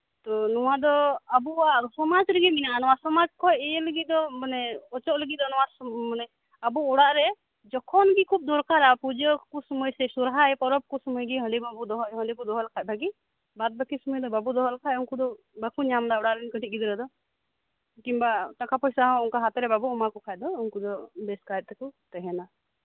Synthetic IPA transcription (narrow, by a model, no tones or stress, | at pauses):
t̪ɔnɔwad̪ɔabuwasɔmad͡ʒɾəɡiminaʔanɔwasɔmad͡ʒkʰɔjɛjɛləɡiʔ̚d̪ɔmanɛɔt͡ʃɔʔləɡid̪ɔnɔwamanɛ | abuɔɽaʔɾɛ | d͡ʒɔkʰɔnɡikʰub̚d̪ɔɾkaɾapud͡ʒəkusɔməjsɛsuɾɦaɛpɔɾɔb̚kusɔməjɡiɦəɖibabud̪ɔɦɔɦəɖikud̪ɔɦɔlakac̚bʱaɡi | bat̪̚bakisɔməjd̪ɔbabud̪ɔɦɔlakʰajuŋkud̪ɔ | bakuɲamd̪aɔɽaʔɾɛnkəʈit̚ˀɡid̪ɾɔd̪ɔ | kimbat̪akʰapɔjsaɦɔ̃uŋkaɦat̪ɛɾɛbabuɔmakɔkʰaj̚d̪ɔuŋkud̪ɔbɛskajt̪̚t̪ɛkut̪ɛɦɛna